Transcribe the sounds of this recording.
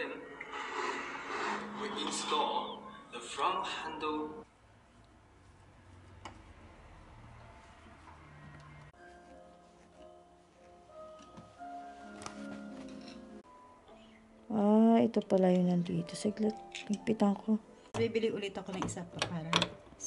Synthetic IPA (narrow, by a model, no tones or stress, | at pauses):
n | wɪɪnst̪ɔld̪ɐfɹɔŋhãnd̪əl | ʔaɛt̪opɐlajʊnɐnd̪iːt̪osɛɡlɛt̪̚pɪɡ̚pɪt̪ɐŋkʰo | bibɪliʔʊlɪt̪ɐkonɐŋɪsapɐpaːɾɐn